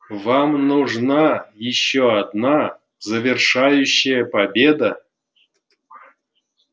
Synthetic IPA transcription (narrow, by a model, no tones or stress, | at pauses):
vɑmnuʐnɑjɪɕːoɑd̪nɑ | zɐvʲɪrʂajʉɕːɪjəpabʲed̪a